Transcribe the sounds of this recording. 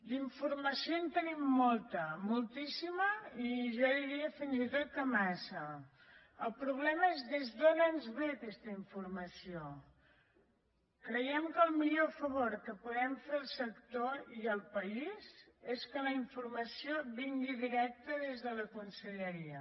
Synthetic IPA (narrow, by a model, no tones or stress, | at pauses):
d̪iɱfuɾməsiont̪ənimːolˠt̪əmulˠt̪isiməiʒɔðiɾiəfinzit̪ot̪əmasə | əlˠpɾuβ̞lɛməezðezðonənzβet̪ɛst̪əiɱfuɾməsio | kɾəjɛmkəlˠmiʎofəβoɾkəpuðɛmfeəlˠsəkt̪oiəlˠpəizeskələiɱfuɾməsioβiŋɡiðiɾɛk̚t̪əðezðələkunsəʎəɾiə